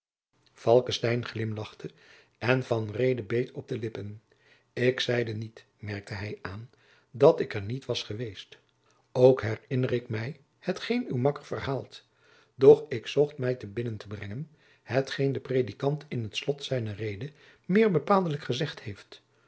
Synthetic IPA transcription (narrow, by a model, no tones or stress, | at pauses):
fɑlˠkəstɛjnχlɪmlɑχtʰə | ɛnvɑnrejdəbejtʰɔb̚dəlɪpən | ɪksɛjdənit | mɛɹk̚tʰəɦɛjaːn | dɑtɪkəɹnitʋɑsχəʋejst | owkɦɛrɪnərɪkmɛj | hətχejnywmɑkəɹvərɦaːlˠt | d̥ɔχɪksɔχtmɛjtəbɪnəntəbrɛŋən | hətχejndəprejdikɑntʰɪnɦətslɔtsɛjnərejdə | mɪːɹbəpaːlˠdələkχəzɛχthejft